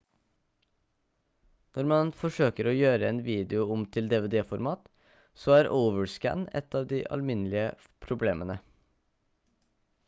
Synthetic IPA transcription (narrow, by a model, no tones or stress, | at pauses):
nɔɾmɑnfɔʂøːkəɾoːjøːɾəɛːnʋiːd̪ɪʊʊmt̪ʰɪld̪ɛʋeːd̪eːfɔɾmɑːt̪ | soːæːɾʔəʊʋəɹskæ̰nɛ̰t̪ɑːʋd̪ḭːʔɑ̰lmɪnlɪə | pʰɾʊbleːmʔənə